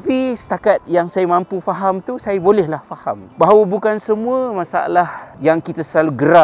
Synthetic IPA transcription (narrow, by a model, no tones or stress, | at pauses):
t̪apisə̥t̪akat̪̚jaŋsajamãmpufaɦamt̪usajabolɛhlahfahambaɦawabukansəmũəmãsa̰a̰lahjaŋkit̪asəlaluɡəɾa